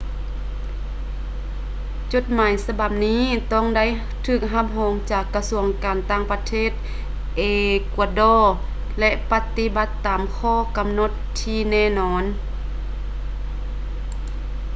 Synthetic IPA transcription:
t͡ɕo˧˥t̪̚maː˨˦jsa˧ba˧˩p̚niː˧˥˨t̪ɔ˥˨ŋda˥˨j | t̪ʰɯː˧˩k̚ɦa˧˥p̚ɦɔː˨˧ŋt͡ɕaː˧˩kːa˧su˧˩əŋkaː˨nt̪aː˧˥˩ŋpa˧t̪ʰeː˧˥˩t̪̚ | ʔeː˨˩ku˧dɔː˧˩ | lɛ˧ʔpa˧˦t̪i˧ba˧˦t̪ːaː˨mkʰɔː˧˩˨ka˨mno˧˥t̪ʰːiː˧˩nɛː˧˩nɔː˧˥n

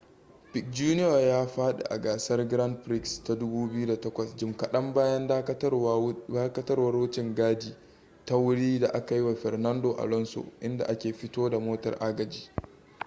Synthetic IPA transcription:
pɪ˨k̚d͡ʒuː˦nɪ˦ja˨jaː˦ɸaː˦ɗḛ˨ʔa̰˨ɡaː˨sɐ˦rɡɾɐ˦nɸɾɪ˦ksta˦dʊ˦buː˦bɪ˦ju˦da˨tɐ˦kʷɐ˨sd͡ʒɪ˨mkɐ˨ɗɐ˦mbaː˦jɐ˦na˦aː˦kɐ˦tɐ˦rwɐ˨˦rwʊ˦t͡ʃɪ˨ŋɡaː˦diː˨ | ta˦wʊ˦ɽiː˦da˨ʔa˦ka˨ji˦wa˨ɸɛ˨rnɐ˦ndoː˨ʔa̰˨lɔ˦nso̰˨ʔɪ˦nda̰˨ʔa˦kʲeː˨ɸɪ˦toː˦da˨moː˦tɐ̰˨rʔa˦ɡɐ˨d͡ʒiː˦

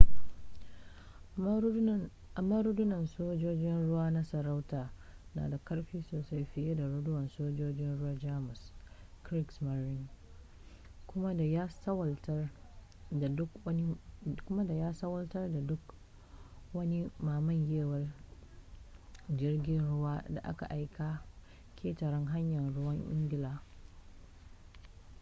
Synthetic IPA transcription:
a˨ma˦ɾʊ˦dʊ˦nɐ˨nsoː˦d͡ʒoː˦d͡ʒɪ˦nɽʊ˦waː˦na˦sɐ˨ɾa˦wtaː˨na̰ː˨da˨kɐ˦ɽɸiː˦soː˨sa˦jɸɪ˦je˦da˨ɾʊ˦dʊ˦wɐ˨nsoː˦d͡ʒoː˦d͡ʒɪ˦nɽʊ˦waː˦d͡ʒaː˦mʊ˨s | kɾɪ˦ksmɐ˨ɾɪ˦n | kʊ˦ma˦a˨ja˦wt | kkʷʊ˦ma˦da˨jaː˦sɐ˦wɐ˦ltɐ˦rda˨dʊ˦k | wɐ˦ni˦maː˨mɐ˦ɲjeː˦wɐ˨r | d͡ʒɪ˦rɡʲɪ˦nɽʊ˦waː˦da̰˨ʔa̰˦ka̰˨ʔa˦jkaː˦ | kʲʰeː˦tɐ˨ɾɪ˦ŋɦa˦ɲjɐ˨nɽʊ˦wɐ˦ŋʔɪ̰˦ŋɡʲɪ˨laː˨

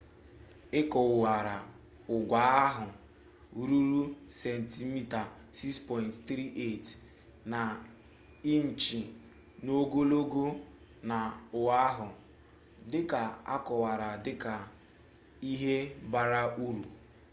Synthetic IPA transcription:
ɪ˦kɔ˨wa˨ɾa˨ | ʊ˨ɡʷa˨˦a˦ɦʊ˨˦ | ɾu˦ɾu˦sɛ˨n̩˨ti˦mi˦ta˨ | si˦kspɔ˦jntt̪ɾi˦ʔe˦˨t | na˨ | i˦n̩˨t͡ʃi˨ | no˦ɡo˦lo˦ɡo˦ | na˨ʊ˨a˦ɦʊ˨ | dɪ˦ka˨a̰˦kɔ˨wa˨ɾa˨dɪ˦ka˨ | i˦ɦe˦ba˦ɾa˦ʔu˦ɾu˨

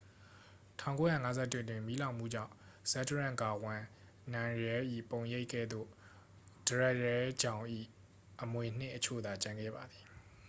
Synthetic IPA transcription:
tʰã˦˨ŋko˨˦jä̰˦˨ŋa˦zɛ˦tːwɪ̃˦˨twɪ̃˨mi˦lã˨ʊ̃m̥ṵ˦˨d͡ʑã̰˦˨ | sɛ˦dəɹã˦˨ŋka˨wã˨ | nã˨ɹɛ˦ʔḭ˦˨põ˨ʊ̃je˦ɪkʰːɛ̰˦˨d̪ðo̰˦˨ | d̥əɹɛ˦ʔɹɛ˦d͡ʑã˨ʊ̃ʔḭ˦˨ | ʔəmwe˨n̥ɪ̰˦˨ʔət͡ɕʰo̰˦˨d̪a˨t͡ɕã˨ŋɡɛ̰˦˨ba˨d̪i˨

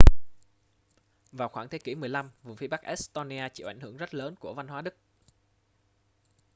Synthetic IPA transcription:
vaː˨˩wxwaː˧˩ŋt̪ʰe˨˦ki˧˩mɨ˨˩əjla˧mvṵ˨˩fi˨˧ɓa˦˥k̚ʔɛ˦˥st̪o˧ni˧aː˧t͡ɕḭ˧˥˨ʔa˧˩jŋ̟hɨ˧˩əŋzə˦˥t̚ləː˨˦nku˧˩əva˧nɦwaː˨˦ɗɨ˦˥k̚

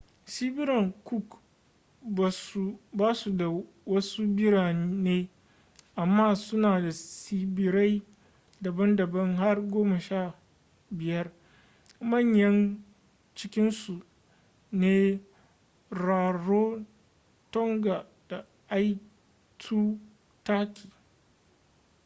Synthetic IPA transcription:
siː˦bɪ˦ɾɐ˨ŋku˦˨k | baː˨su˨baː˦su˨da˨ | wɐ˦su˦bɪ˦ɽaː˨˦neː˦ | ʔa˨mːaː˦sʊ˦naː˨da˨siː˦bɪ˦ɾa˦j | dɐ˨bɐ˦ndɐ˨bɐ˦ŋɦa˦rɡʷoː˦mɐ˨ʃaː˦˨ | bɪ˨jɐ˦r | mɐ˦˨ɲjɐ˦n | t͡ʃɪ˦kʲɪ˦nsu˨ | neː˦ | ɽaː˨ɽoː˦ | tɔ˦ŋɡa˨ | d̥a˨ | ʔa˦j | tʰuː˦ | taː˦kʲi̥ː˨

